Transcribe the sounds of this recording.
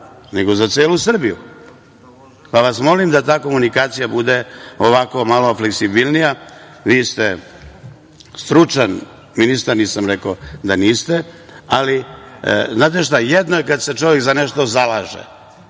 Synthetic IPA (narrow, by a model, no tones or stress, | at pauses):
neɡo̞zat̪seːlusr̩bijṵ | paʋasmo̞limd̪at̪aːko̞munikaːt̪sijabud̪e̞oʋako̞malo̞fleksibilˠnija | ʋiːst̪e | st̪ɾut͡ʃan | minist̪aɾniːsamɾekod̪aniːst̪ealḭ | znaːt̪̬eʃt̪ajed̪noekad̪set͡ʃo̞ʋjekzaneʃt̪o̞zalaːʒḛ